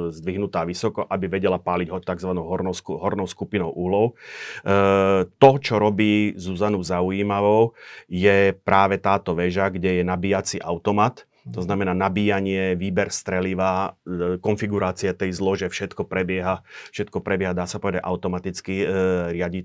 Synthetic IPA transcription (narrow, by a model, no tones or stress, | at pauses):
zd̪ʋiɦnut̪aːʋisɔkɔʔabiʋɛɟɛlapaːliɟɦɔt̪aɡzʋanɔʊɦɔɾɔɦɔɾnɔʊskupinɔʊʔuɦlɔʊ | t̪ɔt͡ʃɔɾɔbiːzuzanuʊzaujiːmaʋɔʊjɛpɾʔaːʋɛt̪aːt̪ɔʋɛʒaɡɟɛjɛnabiːjat͡siːʔa̰ʊt̪ɔmat̪ | t̪ɔznamɛnaːnabiːjaɲɪɛʋiːbɛɾst̪ɾɛliʋaːkɔnfiɡuɾaːt͡siat̪ɛjzlɔʒɛfʃɛt̪kɔpɾɛbɪɛɦafʃɛt̪̚kɔpɾɛbɪjɛɦad̪aːsapɔʋɛd̪aɟʔa̰ʊt̪ɔmat̪it͡skiɾɪaɟi